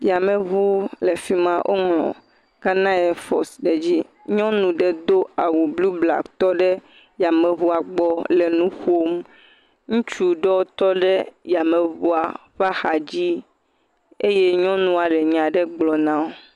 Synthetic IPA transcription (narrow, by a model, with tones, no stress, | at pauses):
ja˨mɛ̃˨βu˦le˨fi˦mã˦ʔo̰˦ŋlɔ̰̃˨ | ɡ̥a˦nã˦jɛ˨fɔ̰˨sɖɛ˨d͡ʑi˦ɲɔ̃˦nũ˨ɖɛ˨d̪o˦a˨wu˨blu˦bla̰˨kt̪ɔ˦ɖɛ˦ | ja˨mɛ̃˨βu˦a˨ɡ͡bɔ˦lɛ˨nũ˦xo˦m | ŋũ˦t͡ʃu˦ɖɛ˦wo˦t̪ɔ˦ɖɛ˦ja˨mɛ̃˨βu˦a˨ | ɸa˦xa˨d͡ʑi˦ | e˦je˦ɲɔ̃˦nũ˦a˨lɛ˨ɲã˨ɖɛ˦ɡ͡blɔ˨nã˦o˨